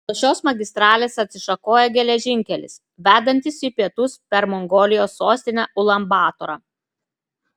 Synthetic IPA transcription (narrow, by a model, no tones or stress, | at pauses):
t̪oːʃʲoːsmɐɡʲɪst̪ɾɑːlʲeːsɐt̪ʲsʲɪʃɐkoːjɛɡʲɛlʲɛʒʲɪŋʲkʲɛlʲɪ̰s | ʋʲæːd̪ɐnʲt̪ʲɪsipʲiɛt̪ʊspʲɛɾmɔŋɡoːlʲɪjoːsːoːsʲt̪ʲɪnʲɛʔʊlˠɐmbɑːt̪ɔɾɑː